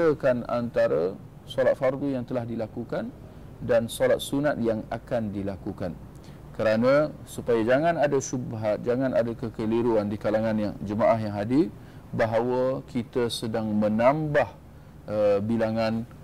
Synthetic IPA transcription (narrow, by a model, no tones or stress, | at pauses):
əkana̰nt̪aɾə | sɔlat̪̚fardujaŋt̪əlahdilakukan | dansɔlat̪̚sunat̪̚jaŋa̰kandilakukan | kəɾanãsupajad͡ʒaŋãnadaʃubaɦat̪̚d͡ʒaŋãna̰dakəkəliɾuandikalaŋãnja̰ŋd͡ʒəmaʔaɦjaŋɦadi | baɦawakit̪asədaŋmə̃nãmbah | ʔəbilaŋan